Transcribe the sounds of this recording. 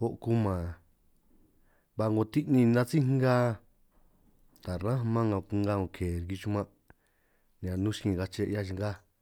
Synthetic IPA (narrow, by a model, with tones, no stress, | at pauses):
o˦ʔku˧mã˨ | βa˧ŋɡo˧t̪i˦ʔnĩ˧nã˦t͡si˦ɡa˦ | t̪a˨ɾã˦˧mã˦ŋã˧u˧ŋɡa˦ŋõ˧kʰe˨ɾki˧t͡ʃu˦mã˦˧ | ñ˨ã˨nũ˦ʃkĩ˧˨ɡa˧t͡ʃe˧ʔa˦t͡ʃi˧ŋ˦ɡa˦